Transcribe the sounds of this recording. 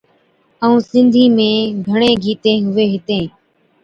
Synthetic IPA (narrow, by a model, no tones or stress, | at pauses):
əũːsɪnd̪ʱiːmẽːɡʱəɳ̃ẽːɡʱiːt̪ẽːɦʊʋeːɦɪt̪ẽː